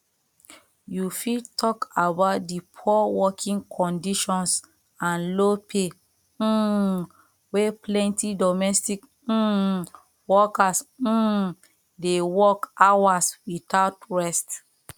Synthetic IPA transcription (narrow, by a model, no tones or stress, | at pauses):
jufitʰɔkabaʊt̚dipʰuɔwɔkʰĩŋkʰɔ̃ndiʃɔ̃ns | ãnlopʰe | weplɛ̃ntidɔmɛstik̩ | wɔkas̩ | dewɔkawaswitaʊtɹɛst